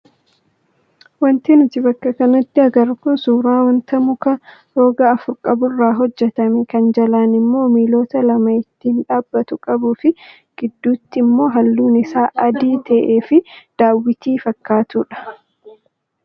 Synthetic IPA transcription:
wɐnt̪iːnɪt̪ɪbɐkːɐkɐnɐt̪ːɪɐɡɐɾkʊnsuːɾaːwɐnt̪ɐmʊkɐɾo̞ːɡɐːfʊɾkʼɐbʊrːaːɦɔd͡ʒːɛt̪ɐmɛkɐnd͡ʒɐlaːnɪmːo̞ːmiːlo̞ːt̪ɐlɐmɐɪt̪ːiːnᶑaːbːɐt̪ʊkʼɐbuːfɪ | ɡ̥ɪd̪ːuːt̪ːɪmːo̞ːɦɐlːuːnɪsaːʔɐd̪iːt̪ɐʔeːfɪd̪̥aːwːɪt̪iːfɐkːaːt̪uːᶑɐ̥

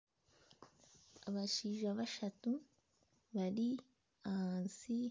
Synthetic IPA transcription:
aβaʃiːʒaβaʃatu | βaɾi | ansi

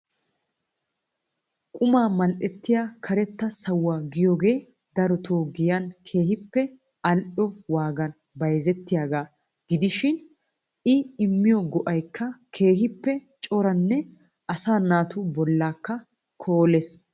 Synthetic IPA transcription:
kʼʊmaːmɐlʔɛt̪ːɪjaːkʰɐɾɛt̪ːɐsɐwːaːɡɪjoːɡe̞ː | d̪ɐɾɔt̪ʰoːɡɪjɐnkʰe̞ːhɪpːɛ | ɐlʔɔwaːɡɐn | bɐjzɛt̪ːɪjaːɡaː | ɡ̥ɪd̪ɪʃɪn | ɪɪmːɪjɔɡɔʔɐjkʰːɐkʰe̞ːhɪpːɛ | t͡ʃʼɔɾɐnːɛ | ʔɐsaːnaːt̪ubɔlːaːkːɐ | kʰoːles

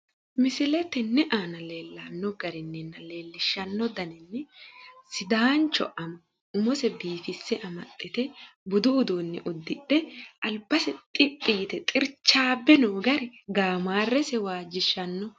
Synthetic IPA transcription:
mɪsɪlɛt̪ːɛnːɛʔaːnɐle̞ːlːanːɔɡɐɾɪnːɛnːɐle̞ːlːɪʃːɐnːɔd̪ɐnɪnːɛsɪd̪aːnt͡ʃːɔ̰ʔɐm | ʊmɔsɛbiːfɪsːɛʔɐmɐt̪ʼːɪt̪ɛbʊd̪ʊːd̪uːnːɛʔʊd̪ːɪᶑɛʔɐlbɐsɛt̪ʼɪpʼːijt̪ɛt̪ʼɪɾt͡ʃːaːbːɛnoːɡɐɾɛɡaːmaːrːɛsɛwaːd͡ʒɪʃːɐnːɔ

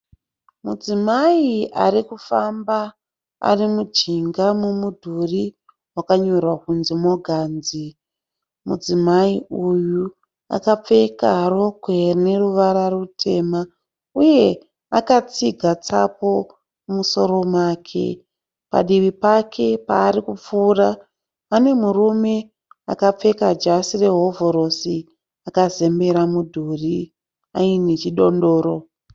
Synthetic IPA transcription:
mud͡zimaiaɾikufamba | a̰rimud͡ʒiŋɡamumudʱuri | wakaɲo̞rwakunzimo̞ɡʱaːnzi | mud͡zimaiuju | a̰kap͡fe̞kaɾo̞ɡʱwe̞ne̞ruʋaɾarutʰe̞ma | uje̞ | akat͡siɡʱat͡sapo̞ | muso̞ɾo̞mwaːkʰe̞̰ | pa̰ɗiʋipakʰe̞paːɾikup͡fuːra | ane̞murume̞ | akap͡fe̞kad͡ʒasire̞ɦo̞vo̞ɾo̞si | akaze̞mbe̞ɾamudʱuri | ainet͡ʃiɗo̞ndo̞ːɾo̞

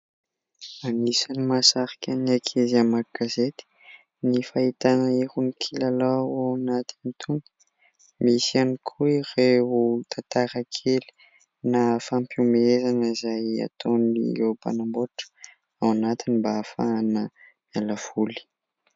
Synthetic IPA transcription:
anisanimasaɾikʲaniakʰezamaɡazet̪i̥ | nifait̪anəiɾunikʰilalawawanat̪init̪ʰuŋɡi̥ | misianikʰuireut̪ʰat̪aɾakʰeli̥ | nafampumezanəizaja̰t̪oniepa̰namboʈ͡ʂə̥ | awanat̪inimbafa̰nə | mjalav̥uli̥

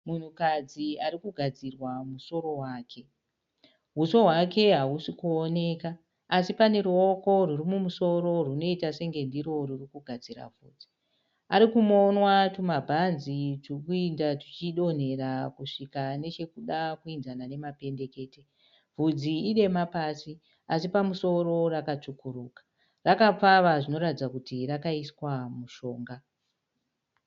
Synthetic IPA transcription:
mun̤ukad͡ziaɾikuɡʱad͡zirwamuso̞ɾo̞waːkʰe̞ | vuso̞ɦwake̞ɦausikuone̞kaː | sipane̞ɾuo̞ko̞rurimumuso̞ɾo̞runo̞itase̞ŋɡe̞ndiɾo̞rurikuɡʱad͡zira̰vʱṵːd͡zi | aɾikumonwatumabʱanzitirkuindatit͡ʃiɗo̞n̤e̞ɾakuʂikane̞t͡ʃe̞kuɗakuinzanane̞mape̞nde̞ke̞ːte̞ | vʱud͡ziːɗe̞mapasi | asipamuso̞ɾo̞rakat͡ʂukuruːkḁ | rakap͡faʋaʐino̞ɾatid͡zakutirakaiswamuʃo̞ːŋɡa

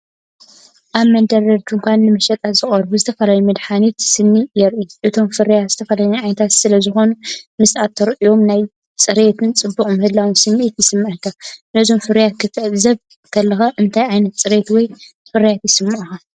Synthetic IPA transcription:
ʔaβmɐnd̪ɐɾɐd͡ʒuŋkʷʰanːɨmɐʃɐt̪ʼazɨχʼɐɾbuzɨt̪ʰɐfɐlajumɐd̪ħanit̪sɨnːijɛɾʔiʔɨt̪ʰo̞mfɨɾjat̪z̥ɨt̪ʰɐfɐlaɲiʕajnɐt̪ʰat̪sɨlɐzɨxo̞numɨsat̪ʰːɐɾʔijo̞mnaj | t͡sʼɨɾet̪ʰɨnt͡sʼɨbːukʼɨmɨhɨlːawunsɨnːʔet̪jɪsɨmːaʔɨkʰːanɐzo̞mfɨɾjat̪kʰɨt̪ʰɐʔzɐβ | kʰɐlːɐxaʔɨnt̪ʰajʕajnɐt̪̚t͡sʼɨɾet̪wɔj | fɨɾijat̪jɪsɨmːaʔɨxa

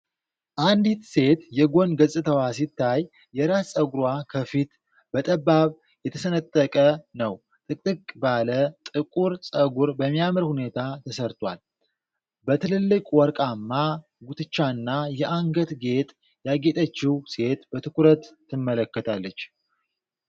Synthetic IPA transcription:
ʔand̪it̪se̞t̪jɛɡo̞nɡəsʼɨt̪ʰəwasit̪ʰːajː | ɛɾassʼəɡuɾakʰəfit̪ | b̥ət̪ʼəbːaβ | jɛt̪ʰəsənət̪ʼːəkʼənəw | t̪ʼɨkʼɨkʼbalət̪ʼɨkʼuɾsʼəɡuɾbəmːijamɨɾhune̞t̪ʰat̪ʰəsəɾt̪ʰwal | bət̪ʰɨlɨlːɨkʼwɔɾkʼamːa | ɡut̪ʰɨt͡ʃːaɨnːajɛʔaŋɡət̪ɡe̞t̪ʼ | jaɡe̞t̪ʼət͡ʃːiwse̞t̪bət̪ʰɨkʰuɾət̪ːɨmːələkːət̪ʰalːət͡ʃː

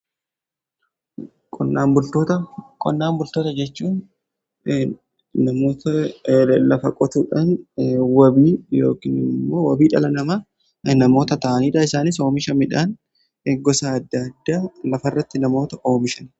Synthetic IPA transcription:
kʼɔnːaːmbʊlt̪oːt̪ɐkʼɔnːaːmbʊlt̪oːt̪ɐd͡ʒɛt͡ʃːuːn | nɐmoːt̪ɐ | lɐfɐkʼɔt̪uːᶑɐnwɐbiːjo̰ːkɪnɪmːo̞ːwɐbiːᶑɐlɐnɐmɐ | nɐmo̞ːt̪ɐt̪ɐʔɐniːᶑɐɪsaːnɪs̬o̞ːmɪʃɐmɪᶑan | ɡɔsaːd̪ːɐɐd̪ːaːlɐfɐrːɐt̪ːɪnɐmo̞ːt̪ɐʔo̞ːmɪʃɐn

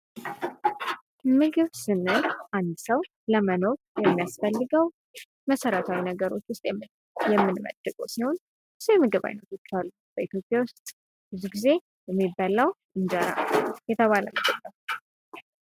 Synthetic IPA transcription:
mɨɡɨβsɨnːɨlʔand̪səw | ləməno̞ɾjɛmːijasfəlːɨɡəw | məsəɾət̪ʰawinəɡəɾo̞t͡ʃːwʊst̪ʼjɛ | jɛmːɨnmə̰d̪ɨkʼəwsiho̞n | sujmɨɡɨβa̰jnət̪jɪt͡ʃːalːu | b̥əit̪ʰjo̞pʼjawʊst̪ʼ | b̥ɨzːuɡize̞ | jɛmːibaləwʔɨnd͡ʒəɾa̰jɛt̪ʰəβalə̰məd͡ʒɛlːəu

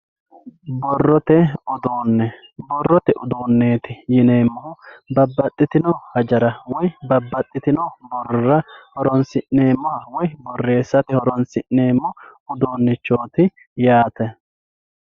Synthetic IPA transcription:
bɔrːɔt̪ɛɔd̪oːnːɛbɔrːɔt̪ɛʔʊd̪oːnːe̞ːt̪ɪjɪneːmːɔʊbɐbːɐt̪ʼːɪt̪ɪnɔwhɐd͡ʒɐɾɐwɔjbɐbːɐt̪ʼːɪt̪ɪnɔwbɔrːɐhɔɾɔnsɪnne̞ːmːɔhɐwɔjbɔrːe̞ːsːɐt̪ɪhɔɾɔnsɪnːe̞ːmːɔʊd̪o̞ːnːɪt͡ʃːo̞ːt̪ɪ | jaːt̪ɛ

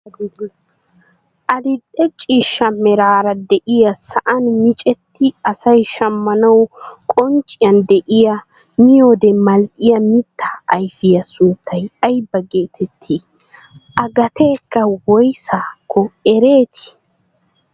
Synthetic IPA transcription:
ʔɐdɪɗɛt͡ʃʼiːʃːɐmɛɾaːɾɐd̪ɛʔɪjɐsɐʔɐnmɪt͡ʃʼɛt̪ːɪɐsɐjʃɐmːɐnɐwkʼɔnt͡ʃʼːɪjɐnd̪ɛʔɪjɐ | mɪjod̪ɛmɐlʔɪjɐmɪt̪ːɐ̥ɐjfɪjɐsʊnt̪ʰːɐjɐjbːɐɡe̞ːt̪ʰɛt̪ʰːɪ | ʔɐɡɐt̪eːkːɐwɔjsaːkʰːɔɛɾe̞ːt̪ʰɪ̥

